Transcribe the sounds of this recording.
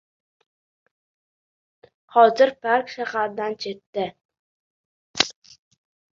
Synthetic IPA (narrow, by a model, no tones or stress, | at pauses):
hɒzɪɾpʰaɾkʲʃahaɾd̪ant͡ʃʰe̞t̪ːɪ